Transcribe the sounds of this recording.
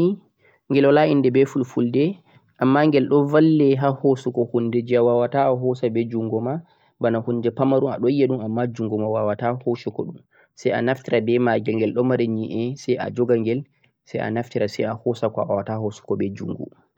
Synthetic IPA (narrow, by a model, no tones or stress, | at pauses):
i | ŋɡɛlɔlaʔindɛbɛfulfuldɛ | ʔamːaŋɡɛlɗɔvalːɛɦahosukɔhundɛd͡ʒiawawataɔɦɔsabɛd͡ʒuŋɡɔma | banahunːdɛpamaɾua̰ɗɔijaɗumamːad͡ʒuŋɡɔmawawatahosukɔɗum | sɛja̰naftiɾabɛmaɡɛlŋɡɛlɗɔmaɾɛɲiʔɛsɛja̰d͡ʒɔɡaŋɡɛl | sɛ̰jʔa̰naftiɾasɛ̰jahɔsakɔa̰wawatahosu̥kɔbɛd͡ʒuŋɡṵ